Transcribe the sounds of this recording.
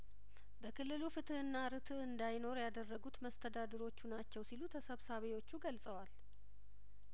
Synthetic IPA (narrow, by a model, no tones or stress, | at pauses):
bəkʰɨlːɨlufɨt̪ʰɨhɨnːaɾɨt̪ʰɨhɨnd̪ajno̞ɾjad̪ərːəɡut̪məst̪ʰəd̪ad̪əɾo̞t͡ʃːunat͡ʃːɛwsilut̪ʰəsəβsaβewo̞t͡ʃːuɡəlsʼəwal